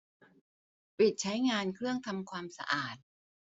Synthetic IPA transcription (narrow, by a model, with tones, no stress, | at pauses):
pi˨˩t̪̚t͡ɕʰa˦˥jŋaː˧nkʰɾɯ˥˩əŋt̪ʰa˧mkʰwaː˧msa̰˧ʔaː˨˩t̪̚